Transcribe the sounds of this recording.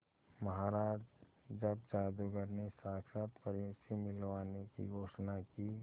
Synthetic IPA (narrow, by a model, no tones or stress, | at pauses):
məɦaɾaː | d͡ʒəbd͡ʒaːd̪uɡəɾnesaːksat̪pəɾjoːsimɪlʋaːnekḭɡʱoːʃnaki